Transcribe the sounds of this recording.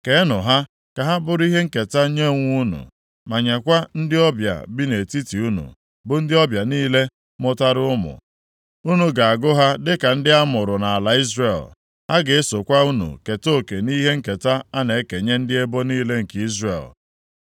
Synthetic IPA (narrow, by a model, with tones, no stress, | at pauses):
ke˨e˦nʊ˨ɦa˦ | ka˨ɦa˦bʊ˨ɾʊ˦i˦ɦe˦ŋ̩˦ke˨ta˦ɲe˦˨ŋʷu˦nṵ˨ | ma˨ɲa˨kʷa˦n̩˦dɪ˦ɔ˦bja̰˨bi˦ne˨ti˦ti˨u˦nṵ˨ | bʊ˨n̩˦dɪ˦ɔ˦bja˨niː˦le˦ | mʊ˦ta˦ɾʊ˦ʊ˦mʊ̰˨ | u˦nu˨ɡa˨a˨ɡʊ˦ɦa˦dɪ˦ka˨n̩˦dɪ˦a˦mʊ˨ɾʊ˨na˨a˨la˨i˦zre˦˨l | ha˦ɡe˨e˦so˨kʷa˦u˦nṵ˨ke˨to˦˨ke˨ni˦ɦe˦ŋ̩˦ke˨ta˦a˦ne˨˦ke˨ɲe˦n̩˦dɪ˦e˦bo˦niː˦le˦ŋ̩˨ki˦zrḛ˨l